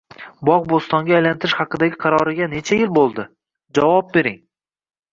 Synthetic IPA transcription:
bɒʁbost̪ɒŋɡʲaːjlant̪ʰɪɾɪʃhɑqɨd̪aɡʲɪqʰɑɾɒɾɪɡʲane̞t͡ʃʰajɪlbolˠd̪ɪ | d͡ʒavɒp̚be̞ɾɪŋ

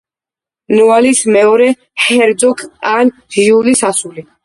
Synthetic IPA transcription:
nualismɛɔɾɛ | ħɛɾd̪zʼukʰan | ʁiulisasuli

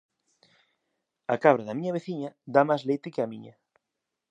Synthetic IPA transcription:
ɐkaβ̞ɾaðɐmiɲɐβ̞eθiɲɐd̪amazlejt̪ɪkeɐmiɲɐ

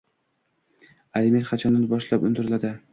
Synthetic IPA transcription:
alɪmeɾqʰɑt͡ʃʰɒnd̪anbɒʃlapʊnd̪ɪɾɪlad̪ɪ

